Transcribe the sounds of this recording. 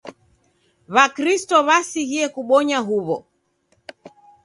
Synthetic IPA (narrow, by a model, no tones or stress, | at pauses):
βakɾistɔβasihiɛkuɓɔɲaɦuβɔ